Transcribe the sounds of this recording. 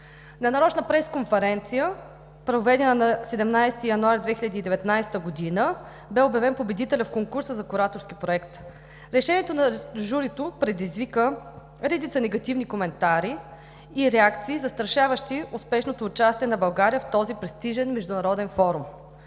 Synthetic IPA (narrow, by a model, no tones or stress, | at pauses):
nɐnɐɾɔt͡ʃnəpɾɛskonfɛɾɛnt̪sijə | pɾovɛd̪ɛnənɐsɛd̪ɛmnajst̪ijɐnuaɾd̪vɛxiʎʲəd̪iːd̪ɛvɛt̪najst̪əɡod̪inə | bɛobjɐvɛnpobɛd̪it̪ɛlʲɐfkoŋkuɾsəzɐkʊɾat̪oɾsk̟ipɾoɛkt̪ | ɾɛʃɛnʲiɛt̪onɐʒuɾit̪opɾɛd̪izvikə | ɾɛd̪it̪sənɛɡɐt̪ivnikomɛnt̪aɾiː | ɾɛakt̪siːzɐst̪ɾɐʃavəʃt̪iʊspɛʃnot̪oːt͡ʃast̪iɛnɐbɐlˠɡaɾijəft̪ɔzipɾɛst̪iʒɛnmɛʒd̪ʊnɐɾɔd̪ɛnfɔɾum